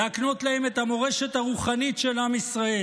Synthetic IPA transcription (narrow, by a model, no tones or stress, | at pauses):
eakno̞t̪lahe̞me̞t̪amo̞ʁe̞ʃe̞t̪haʁuχanitʃe̞lamisʁae